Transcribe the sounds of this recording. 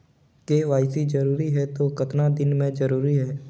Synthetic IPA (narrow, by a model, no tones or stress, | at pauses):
keːʋaːɪsid͡ʒɐɾuːɾiɦɛt̪okɐt̪nad̪ɪnmẽd͡ʒɐɾuːɾiɦɛː